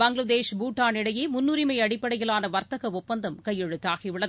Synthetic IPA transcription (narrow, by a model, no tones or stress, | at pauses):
bɐŋɡlɐd̪eːʂbuːʈːaːnɪɽɐjeːmʊnːʊɾɪmɐɪɐɽɪpːɐɽɐjɪɭaːnɐʋɐɾt̪ɐɣɐɔpːɐnd̪ɐmkɐjːɛɻɯt̪ːaːɣiʋɪɭɐð